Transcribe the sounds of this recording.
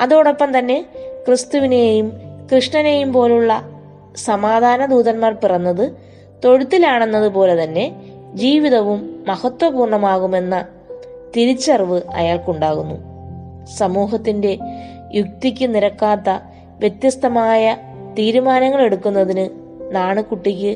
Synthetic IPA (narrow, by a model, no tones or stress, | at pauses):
ɐðoːɽo̞pːɐmt̪ɐnːe̞krɨst̪uʋine̞jumkrɨʂɳɐne̞ːjumpo̞ːluɭːɐ | sɐmaːd̪ʱaːnɐd̪uːðɐnmaːrpirɐnːɐðɨ | t̪o̞ɻut̪ːilaːɳe̞nːɐðupo̞ːle̞t̪ɐnːe̞ | d͡ʑiːʋiðɐʋumːɐhɐt̪ːwɐbuːrɳɐmaːɣume̞nːɐ | t̪iɾit͡ɕːɐrʋɨɐ̰jaːɭkuɳɖaːɣunːṵ | sɐmuːɦɐt̪ːinde̞ | juk̚t̪ikʲːɨniɾɐkːaːt̪ːɐ | ʋjet̪jɐst̪ɐmaːjɐ | t̪iːɾumaːnɐŋːɐɭe̞ɽukːunːɐðinɨ | naːɳɨkuʈːikʲːɨ